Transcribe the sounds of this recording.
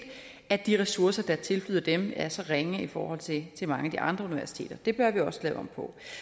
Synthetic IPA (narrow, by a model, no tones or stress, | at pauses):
æd̥iʁɛsuɐsɐd̥ɑ̈t͡sʰe̝lflyðˠɐd̥emæɐsɒ̽ʁeŋəifɒ̰ːhɒ̽l̰t͡sʰe̝t͡sʰe̝mɑ̈ŋæd̥iʔɑ̈nd̥ʁɐuniʋæɐsi̥t͡sʰe̝̰ːd̥ɐd̥e̝b̥ɶɐʋiɒ̽sə̥lɛ̰ːʊɒ̽mpʰɒ̽